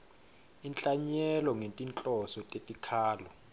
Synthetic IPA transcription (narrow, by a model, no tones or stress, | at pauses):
int͡ɬʼaɲɛlɔŋentʼint͡ɬʼɔsɔtʼetʼikʰaːlɔ